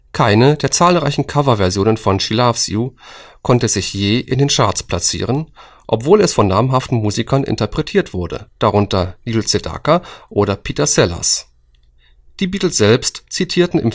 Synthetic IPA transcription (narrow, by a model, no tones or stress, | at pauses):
kʰaɪnədeːɐt͡saːlʁaɪçn̩kʰavɐvɛɐzjoːnənfɔnʃilafsjukʰɔntəzɪçjeːʔɪ̰ndeːnʃaɐtt͡spl̥at͡sḭːʁ̞ən | ʔɔpv̥oːlɛsfɔnːaːmɦaftn̩muːzikʰɐnʔɪ̰ntɐpʁ̥ɛtʰiːɐtv̥ʊɐdə̰d̥aʁʊntɐniːlt͡seda̰kaʔoːɾɐpʰiːtɐsɛla̰s | d̥iːbiːtl̩sz̥ɛlpstt͡sitʰiːɐtn̩ɪ̰m